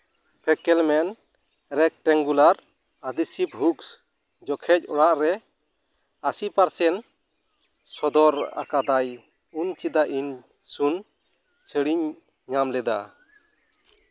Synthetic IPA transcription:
pʰɛkɛlmɛn | ɾɛk̚ʈɛŋɡulaɾ | ad̪isip̚ɦuks | d͡ʒɔkʰɛc̚ɔɽaʔɾɛ | asipaɾsɛn | sɔd̪ɔɾa̰kad̪aj | unt͡ʃid̪aʔin | sun | t͡ʃʰəɽiɲ | ɲamlɛd̪a̰

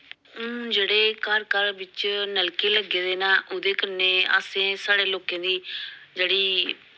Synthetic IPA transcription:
d͡ʒeːɽeːkaəːɾkəɾʋɪt͡ʃnəlkeːləɡeːd̪eːnaːʔʊd̪eːkəɾneːa̰ːsẽːsaːɽeːloːkẽːd̪iːd͡ʒeːɽiː

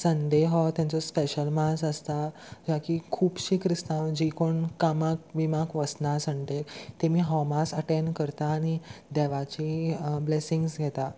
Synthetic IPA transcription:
sənd̪eɦɔt̪jãnt͡sɔspeɕəlmasəst̪a | d͡ʑakikʰuːpɕikɾist̪ãwd͡ʑikoɳkamak̚ʋimakʋəsnasəɳʈ̪et̪emiːɦɔmasəʈenkəɾt̪aːɽ̃id̪ɛʋat͡ɕiblesiŋɡsɡʱɛt̪a

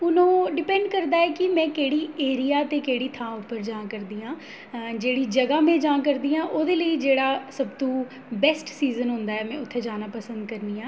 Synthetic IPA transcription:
ʊnõːɖɪpɛ̃ːɳɖkəɾd̪aːɛːkɪmɛ̃ːkeːɽiːeːɾijaːt̪eːkeːɽiːt̪ʰãːʊpːəɾd͡ʒãːkəɾd̪iːãː | d͡ʒeːɽiːd͡ʒəɡãːmɛ̃ːd͡ʒãːkəɾd̪iːãːʔoːd̪eːləiːd͡ʒeːɽaːsəbt̪õː | bɛsʈsiːzənɦʊ̃ːnd̪aːɛːmɛ̃ːʊt̪ʰːeːd͡ʒaːnaːpəsə̃nd̪kəɾniːãː

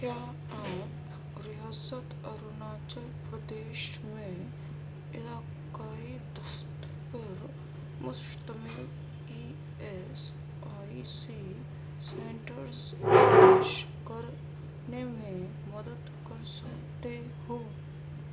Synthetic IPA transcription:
kjaː | aːp | ɾɪjaːsət̪ɔɾʊnaːt͡ʃəlpɾəd̪eːʃ | mẽ | ɪlaː | kaːid̪ʊʃt̪ | pɐɾ | mʊst̪əmil | i | e | s | aːis | i | sẽːɳʈəɾsd̪aːʃkɐɾ | nemẽ | mɐd̪əd̪kɐɾsɐkt̪e | ɦoː

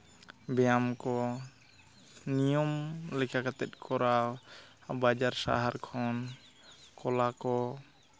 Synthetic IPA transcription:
bɛjamkɔ | nijɔmlɛkʰakat̪ɛt̪̚ˀkʰɔɾawbad͡ʒaɾsa̰ɦaɾkʰɔn | kɔlakɔ

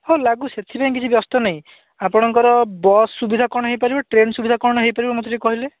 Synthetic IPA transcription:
holaɡuset̪ʰipaj̃k̬it͡ʃʰibjɔst̪ɔnaĩ | apɔɽ̃ɔŋkɔɾɔbɔsːubid̪ʱakɔɽ̃ɔɦejpaɾibaʈɾensubid̪ʱakɔɽ̃ɔɦejpaɾibamot̪ɔʈikɔɦile

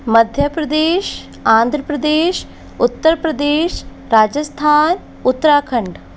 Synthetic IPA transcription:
məd̪ʱjəpɾɐd̪eːʃ | ãːnd̪ʱɾəpɾəd̪eːʃ | ʊt̪ːəɾpɾəd̪eːʃ | ɾaːd͡ʒəst̪ʰaːn | ʊt̪ːɾaːkʰəɳɖ

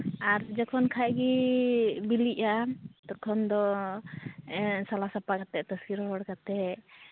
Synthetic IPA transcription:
aɾd͡ʒɛkʰɔnkʰaʔɡi | biliʔat̪ɔkʰɔnd̪ɔ | salasapakat̪ɛt̪ɔsiɾɔɦɔɽkat̪ɛ

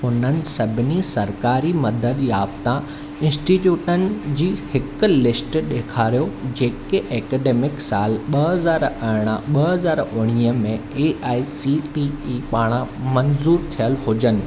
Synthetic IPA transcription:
ʊn̤ənɪ̆sɐbʱɪnisɐɾkaːɾimɐd̪əd̪jaːft̪ã | ɪ̃nsʈiʈjuːʈənɪ̆d͡ʑiːhɪkʊ̆lɪsʈɗeːkʰaːɾijod͡ʑeːkeʔeːkeːɖeːmɪksaːlɓɐɦɐzaːɾɐɦɪɽ̃ãɓɐɦɐzaːɾʊɽ̃iːəmẽeːʔaːisiʈiipaːɽ̃ãmɐnzuːɾt̪ʰijəlɦʊd͡ʑənɪ̆

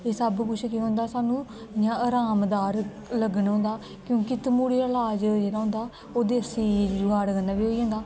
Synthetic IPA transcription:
eːsəbkʊʃʰkiɦõːnd̪aːsaːnũːjãːaːɾaːmd̪aːɾ | ləɡənɦõːnd̪aː | kjõːkit̪əmuːɽiːəlaːd͡ʒd͡ʒeːɽaːɦʊ̃nd̪aː | oːd̪eːəsiːd͡ʒd͡ʒʊaːɽɡənːaːʋiːɦoːiãːnd̪aː

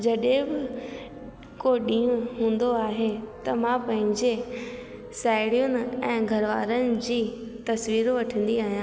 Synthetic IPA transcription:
d͡ʑɐɗɦẽbɪ | koɗĩːʊ̃ɦũːn̆d̪oaːɦet̪ɐmãpɐ̃ɦɪ̃ɲd͡ʑe | saːɪɽijʊnɪ̆ɛ̃ːɡʱɐɾʋa̰ːɾənɪ̆d͡ʑiːt̪ɐsʋiːɾʋɐʈʰə̃nd̪iaːɦijãː

